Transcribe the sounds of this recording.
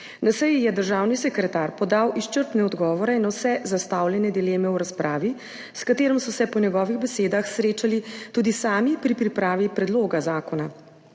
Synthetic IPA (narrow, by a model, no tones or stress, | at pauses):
d̪asɛjjɛd̪əɾʒaːwnisɛkɾɛt̪aːɾpɔd̪awʔiʃt͡ʃəɾt̪nɛɔd̪ɡɔːʋɔɾɛnawsɛzast̪awljɛnɛd̪ileːmɛuɾaspɾaːʋi | skat̪eːɾɔmsɔsɛpɔnjɛɡɔːʋiɣbɛseːd̪axsɾeːt͡ʃalit̪uːd̪isaːmipɾipɾipɾaːʋipɾɛd̪loːɡazaːkɔna